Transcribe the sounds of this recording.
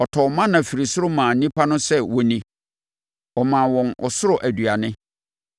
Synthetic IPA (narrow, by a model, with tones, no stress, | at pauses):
ɔ˨tʰɔ˨mã˦nã˨fi˨ɾi˨sʊ˦ɾʊ˦mãː˨˦nĩ˦pʰa˦nʊ̃˦sɛ˦wɔ˨nĩ˨ | ɔ˨mãː˨wɔ̃˨nɔ̰˨sʊ˦ɾʊ˨ʔæ˨dɥa˨nɪ̃˦